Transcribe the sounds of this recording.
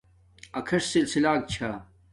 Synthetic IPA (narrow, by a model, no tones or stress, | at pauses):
ɐkʰɐʂsilsilaːk̚t͡ɕʰa